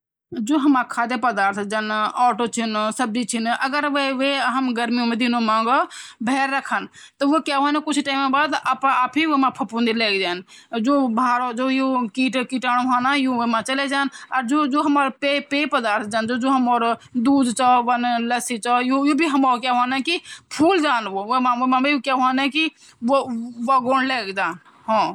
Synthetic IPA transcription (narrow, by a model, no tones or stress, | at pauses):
d͡ʒoːɦɐmãkʰaːd̪epəd̪aːɾt̪ʰd͡ʒaːnɔːʈot͡ʃʰinsəb̚d͡ʒit͡ʃʰinʔɐɡəɾʋeʋeɦɐmɡəɾmijõmẽd̪inomãːŋɡbʱɛːɾːəkʰən | t̪ɐʋokjaːʋãnekʊt͡ʃʰʈaːɪmẽbaːd̪aːpãaːpʰiʋemãpʰɐpund̪ileːkd͡ʒaːnd͡ʒoːbʱaːɾod͡ʒoːjokiʈkiʈaɽɦanajoemat͡ʃəlɛd͡ʒanaɾd͡ʒod͡ʒoɦəməɾpepepəd̪aɾt̪ʰd͡ʒand͡ʒod͡ʒoɦəmɔɾd̪ud̪t͡ʃabənləsit͡ʃɔjojobʱiɦəmɔɾkaɦanɛkipʰuld͡ʒanboomaomabejokjaɦanɛ̃ki | oʋaɡonɖleɡd͡ʒan | ɦɔ̃